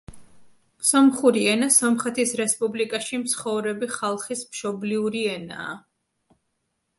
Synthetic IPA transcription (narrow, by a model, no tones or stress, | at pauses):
sɔmχuɾiɛnasɔmχɛt̪ʰisɾɛspʼublikʼaʃimt̪sʰχɔvɾɛbiχalˠχismʃɔbliuɾiɛna̰ː